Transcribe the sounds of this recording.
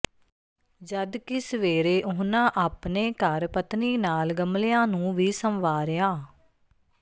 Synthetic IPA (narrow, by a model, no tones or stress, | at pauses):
d͡ʒəd̪kɪsəʋeːɾeːʔʊɦnãːʔaːpneːkəɾpət̪niːnaːlɡəmlejãːnũːʋiːsəmʋaːɾejaː